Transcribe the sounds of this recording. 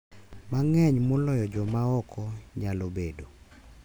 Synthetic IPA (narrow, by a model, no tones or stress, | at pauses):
maŋɛɲmɔlɔjɔd͡ʒɔmaɔkʰɔɲalobedo